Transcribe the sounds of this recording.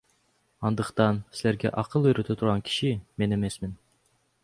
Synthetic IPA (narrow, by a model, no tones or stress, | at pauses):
ɑnd̪əqt̪ɑnsɪlæɾɡʲɛ̰ʔɑqʰəlˠøjɾyt̪ʰɛt̪ʰuɾʁɑnkʲʰi̥ʃimenemɛsmɪn